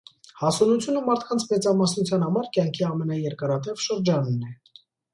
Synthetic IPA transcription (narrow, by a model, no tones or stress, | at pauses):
hɑsɔnut͡sʰjunəmɑɾt̪ʰkʰɑnt͡sʰmɛt͡sɑmɑsnut͡sʰjɑnhɑmɑɾkjɑŋkʰiɑmɛnɑjɛɾkɑɾɑt̪ɛvʃəɾd͡ʒɑnumnɛ